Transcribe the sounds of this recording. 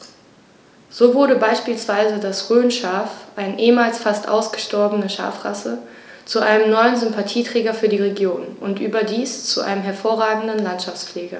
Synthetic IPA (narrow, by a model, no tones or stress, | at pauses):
z̥oːvʊɐɾəbaɪʃpiːlsv̥aɪzədasʁøːnʃaːfʔaɪnəʔeːəmaːlsfastʔa̰ʊsɡ̥əʃtɔɐbənəʃa̰ːfʁ̥a̰sə | t͡suʔa̰ɪnəmnɔʏənzʏmpatʰiːtʁ̥ɛːɡɐfyːɐdiːʁeɡjoːnʔʊntʔyːbɐdiːst͡suʔa̰ɪnəmɦɛɐfoːɐʁaːɡŋ̩dən̩lantʃaft͡sp͡fleːɡɐ